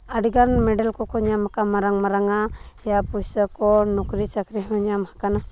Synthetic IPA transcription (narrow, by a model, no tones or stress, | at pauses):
aɖiɡanmɛɖalkɔkɔɲamakamaɾaŋmaɾaŋajapusakɔnɔkɾit͡ʃakɾiɦɔɲamhḁkana